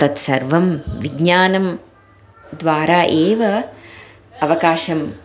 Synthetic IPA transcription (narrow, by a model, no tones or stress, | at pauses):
t̪ɐt̪sɐɾʋɐmʋiɡɲaːnɐm | d̪ʋaːɾaːʔeːʋɐ | ɐʋɐkaːʃɐm